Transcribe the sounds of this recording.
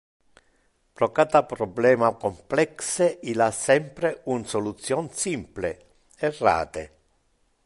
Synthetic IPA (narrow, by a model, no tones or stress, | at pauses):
pɾɔkat̪apɾɔblɛːmakomplɛkseilasːɛmpɾeunsolut̪sːjɔnsimplḛ | erːa̰ːt̪ḛ